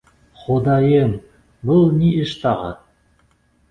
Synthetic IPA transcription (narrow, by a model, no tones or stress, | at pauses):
χod̪ɑjem | bɤlˠnʲiɘʃt̪ɑʁɑ̰t̪̚